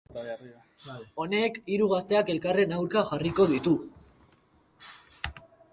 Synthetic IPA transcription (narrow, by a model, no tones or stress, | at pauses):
o̞ne̞kiɾuɣast̪e̞ake̞lkare̞nawɾkaxariko̞ðit̪u